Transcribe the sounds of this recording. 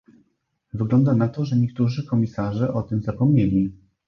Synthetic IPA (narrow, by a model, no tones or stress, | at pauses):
vɘɡlɔnd̪anat̪ɔʐɛɲɛk̚t̪uʐɘkɔmʲisaʐɛʔɔt̪ɘmzapɔmɲelʲi